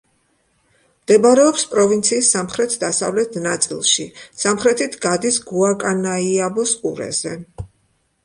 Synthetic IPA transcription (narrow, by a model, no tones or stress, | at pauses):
md̪̥ɛbaɾɛɔpspʼɾɔvint̪sʰiːsːamχɾɛt̪ʰd̪asa̰vlɛt̪ʰnat̪sʼḭlˠʃisamχɾɛt̪ʰit̪ʰɡad̪isɡuakʼanaiabɔsʼuɾɛ̰zɛ